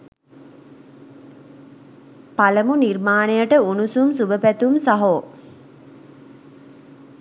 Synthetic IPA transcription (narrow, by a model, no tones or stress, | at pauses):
paləmunirmaːnejəʈəunusumsubəpæt̪umsaɦo